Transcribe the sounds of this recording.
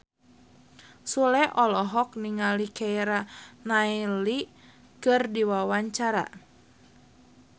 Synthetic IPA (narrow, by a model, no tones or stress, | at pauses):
sulɛʔɔlɔɦɔk̚niŋalikɛjɾanaili | kɨrdiwawaɲt͡ʃaɾa̰